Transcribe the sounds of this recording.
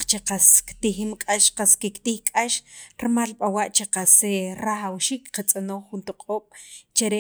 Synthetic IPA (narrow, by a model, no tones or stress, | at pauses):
t͡ʃeqaskt̪iximkʼaʃqaskikt̪ixkʼaʃɾmalɓawaʔt͡ʃeqaseɾaχawʃiːkqat͡sʼanoχːunt̪oqʼoːɓ̥t͡ʃaɾe